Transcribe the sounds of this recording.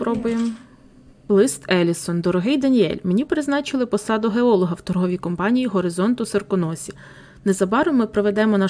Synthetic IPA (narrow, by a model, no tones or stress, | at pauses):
pɾɔbʊjem | lˠɪst̪ɛlʲisɔnd̪ɔɾɔɦɪjd̪ɐnʲiɛ̰lʲmenʲipɾɪznɑt͡ʃɪlˠɪpɔsɑd̪ʊɦeɔlˠɔɦɐwt̪ɔrɦɔʋʲikɔmpɑnʲijiɦɔɾɪzɔnt̪ʊsɐrkʊnɔsʲi | nezɐbɑɾʊmɪpɾɔʋed̪ɛmɔnɑ